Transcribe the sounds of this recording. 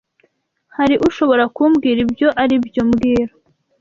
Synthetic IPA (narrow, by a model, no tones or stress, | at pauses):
haɾiʔuʃo̞βo̞ɾakumɡiːɾibjo̞ʔaɾibjomɡiːɾo̥